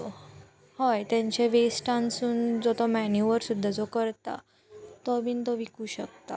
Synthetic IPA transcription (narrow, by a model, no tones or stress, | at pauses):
hɔjt̪jãɲt͡ɕeʋesʈãnsuːnd͡zɔt̪ɔmænjuʋəɾsud̪ʱːad͡zɔkəɾt̪a̰ | t̪ɔbiːnt̪ɔʋikuːɕək̚t̪a̰